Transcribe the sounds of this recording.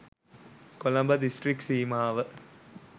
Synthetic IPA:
kolɐmbɐd̪isʈriksiːmaːʋə

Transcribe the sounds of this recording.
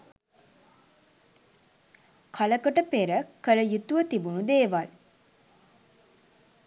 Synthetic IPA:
kʰaləkəʈəpeɾəkələjut̪uʋət̪ibunud̪eːʋal

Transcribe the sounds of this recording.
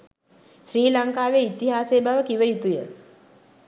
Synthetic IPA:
ʃriːlaŋkaːʋeit̪iɦaːseːbaʋəkiʋəit̪ujə

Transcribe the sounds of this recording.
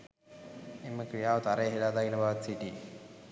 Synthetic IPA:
emːəkɾijaːʋət̪aɾəjəɦelaːd̪ailəbaʋat̪siʈiː

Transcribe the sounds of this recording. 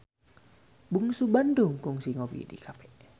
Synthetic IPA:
buŋsubandʊŋkʊŋsiŋɔwḭdḭkʰapɛʔ

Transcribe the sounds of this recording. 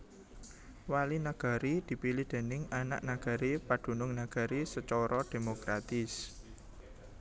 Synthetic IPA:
walinaɡ̥a̤ɾid̪̥i̤pilɪhd̪̥e̤nɪŋana̰ʔnaɡ̥a̤ɾipaɖ̪̥ṳnʊŋnaɡ̥a̤ɾisət͡ʃɔɾʔɔd̪̥e̤mokɾat̪ɪs

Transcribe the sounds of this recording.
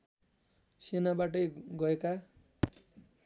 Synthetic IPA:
senabaʈ̬ʌjɡʌeka

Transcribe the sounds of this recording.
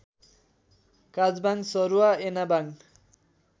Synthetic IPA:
kad͡zbaŋsʌɾuaenabaŋ

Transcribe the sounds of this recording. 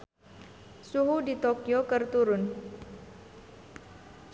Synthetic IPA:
suɦudit̪okiokərt̪uɾʊn

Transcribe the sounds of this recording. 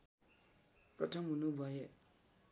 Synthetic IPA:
pɾʌtʰʌmunubuajɛ

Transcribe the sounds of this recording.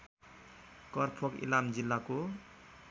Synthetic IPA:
kʌrpʰʌkḭlamd͡zilːako

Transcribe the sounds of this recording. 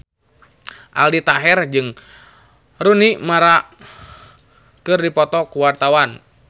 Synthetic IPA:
ʔa̰ldit̪aɦɛrd͡ʒɨŋ | runimaɾa | kɨrdipɔt̪ɔkuwart̪awan

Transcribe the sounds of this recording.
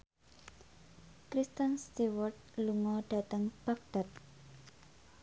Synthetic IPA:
kɾist̪ənst̪iwərt̪̚luŋɔɖ̥a̤t̪əŋb̥ak̚d̪̥at̪̚

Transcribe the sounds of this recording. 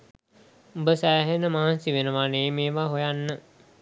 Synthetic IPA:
ubəsæːɦenəmaɦnsiʋenəʋaneːmeːʋaɦojanːə

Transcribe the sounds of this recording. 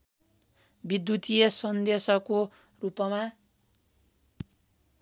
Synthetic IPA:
bid̪jut̪ijʌsʌnd̪esʌko | rupʌma

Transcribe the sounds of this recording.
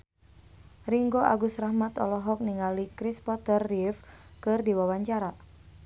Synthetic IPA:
riŋɡoʔa̰ɡusɾahmat̪ɔ̰lɔɦɔk̚niŋalikɾispɔt̪ərːifkɨrdiwawaɲt͡ʃaɾa

